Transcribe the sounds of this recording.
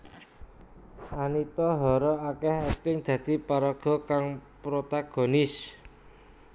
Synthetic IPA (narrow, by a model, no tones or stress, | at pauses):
ʔanit̪ɔɦɔɾɔakɛhɛt̪ɪŋd̪̥ä̤d̪̥i̤paɾaɡ̥ɔ̤kaŋpɾot̪aɡ̥ɔ̤nɪs